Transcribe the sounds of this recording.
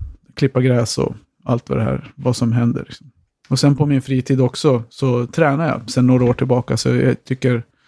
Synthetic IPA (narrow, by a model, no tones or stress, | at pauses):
kʰlɪpːaɡɾɛːsɔ̰ | a̰lt̪va̰d̪ɛhæ̰ːɾvasɔmɦɛnd̪ə̰ɾɭɪksɔm | ɔsɛnpʰɔmɪnfɾiːt̪ʰiːd̪ɔksɔsɔt̪ʰɾɛːnaja̰sɛnːoːɾaoːʈʰɪlbɑːkasɔ̰jɑ̰t̪ʰʏkːəɾ